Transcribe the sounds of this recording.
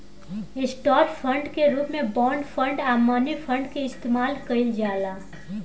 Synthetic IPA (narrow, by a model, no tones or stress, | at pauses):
ɪsʈɔːɾpʰə̃ɳɖkeɾuːpmẽbɔːɳɖfʰə̃ɳɖaːmːaːnifʰə̃ɳɖkeɪst̪eːmaːlkɐɪld͡ʒaːlaː